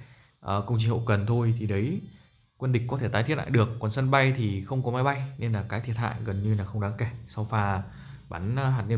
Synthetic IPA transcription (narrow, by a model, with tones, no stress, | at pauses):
ʔəː˨˩kə˧wŋ͡mt͡ɕi˧ŋho̰˧˨kə˨˩nt̪ʰo˧jt̪ʰi˨˩ɗə˨˦j | kwi˧nɗï̟˨˩kɔ˨˦t̪ʰe˧˩t̪aː˨˦t̪ʰi˧˥t̚ʔa̰ː˧˨jɗɨ˨˩əkːɔ˨˩nsə˧nɓa˧jt̪ʰi˨˩xə˧wŋ͡mkɔ˨˦ma˨˦jɓa˧jne˧nlaː˨˩kaː˨˦jt̪ʰi˨˩ət̚ha̰ː˧˨jɣə˨˩nɲɨ˧laː˨˩xə˧wŋ͡mɗaː˨˦ŋke˧˩sa˧wfaː˧˩ | ɓa˨˦nː˧ɦaː˨˩t̚ɲə˧